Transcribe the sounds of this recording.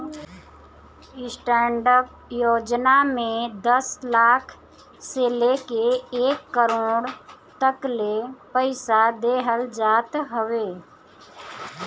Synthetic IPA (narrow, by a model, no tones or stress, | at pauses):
ɪsʈɛːɳɖəɾp̚ | joːd͡ʒnamẽd̪əslaːkʰ | seleːkeeːkːəɾoːɽ | t̪əklepəɪsad̪eːɦəld͡ʒaːt̪ɦəʋeː